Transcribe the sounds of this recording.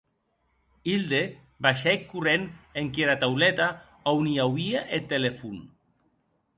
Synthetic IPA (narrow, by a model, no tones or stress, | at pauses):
ild̪e | baʃɛkːureneŋkeɾat̪awlɛt̪a | awniawiaʔet̪ːelefun